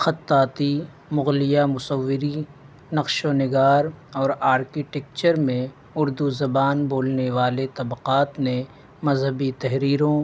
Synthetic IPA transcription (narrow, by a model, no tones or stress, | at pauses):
xɐt̪ːaːt̪i | mʊɣlɪjamʊsəʋːɪɾi | nɐqʃoːnɪɡaːɾɔːɾaːɾkiʈɛk̚t͡ʃəɾmẽ | ʊɾd̪uzɐbaːnboːlneʋaːlet̪ɐbqaːt̪nẽ | mɐzɦəbit̪ɛɦɾiːɾõ